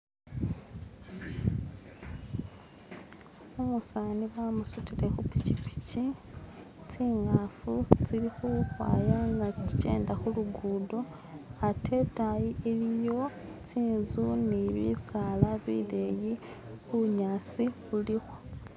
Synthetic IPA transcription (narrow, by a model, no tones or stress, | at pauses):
omusaniβamusutile̞xupi̥cipi̥ci | t͡siːŋafut͡silixuxwa̰ːjaŋɡaci̥ce̞̰ːndaxuluɡuːdo̞ | atʰe̞tajielijo̞t͡siːnzuniβḭsalaβḭle̞ji | xuɲaːt͡siβulixo̥